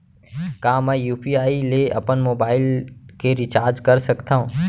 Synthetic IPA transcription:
kaːmɛ̃juːpiaːileɐ̰pənmoːbaːɪlkeɾɪt͡ʃaːɾd͡ʒkɐɾsɐkt̪aɦũː

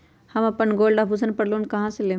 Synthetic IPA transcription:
hɐmɐpənɡoːlɖaːbʱusənpɐɽloːnkɐɦãseleː

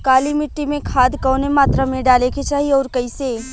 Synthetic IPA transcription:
kaːlimɪʈːimẽkʰaːd̪kɔːnemaːt̪ɾamẽɖaːleket͡ʃaːɦiɔːɾkɐɪse

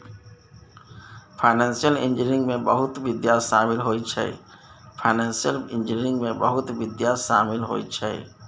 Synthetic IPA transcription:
pʰaɪnɛnsijəlɪ̰̃nd͡ʒɪɾɪ̃ŋɡmẽbəɦʊt̪ʋɪd̪jaʃaːmɪlɦoːit͡ʃʰɛ̰ | pʰaɪnɛ̃ːnsijəlɪ̃nd͡ʒɪniɾɪ̃ŋɡmẽbəɦʊt̪ʋɪd̪jaʃa̰ːmɪlɦo̰it͡ʃʰɛ̰ː

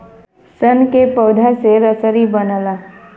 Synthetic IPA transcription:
sənkepəːd̪ʱaseɾəsəɾibənəlaː

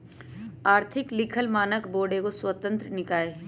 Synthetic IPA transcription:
aːɾt̪ʰɪklɪkʰəlmaːnəkboːɖekoswət̪ə̃nt̪ɾənɪkaːeː

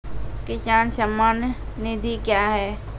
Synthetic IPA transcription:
kɪʃaːnsɐmːaːnjnɪd̪ikjaːɦɛː

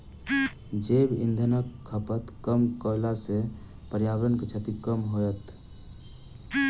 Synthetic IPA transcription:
d͡ʒebḭnd̪ʱənəkʰːəpət̪kəmkəlase | pəɾjabɾənket͡ʃʰət̪ikəmɦojət̪

